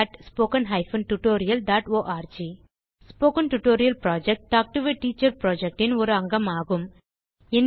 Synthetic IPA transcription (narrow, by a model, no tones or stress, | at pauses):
ʈspoːkɐnɦɐɪfɐnʈʊʈoːɾɪjɐlɖaːʈoːʔaːɾd͡ʒi | spoːkɐnʈʊʈoːɾɪjɐlpɾaːd͡ʒɛk̚ʈt̪aːk̚ʈʊʋeʈːiːt͡ʃːɐɾpɾoːd͡ʒɛk̚ʈɪnɔɾɯɐŋɡɐmaːɣɯm | ɪn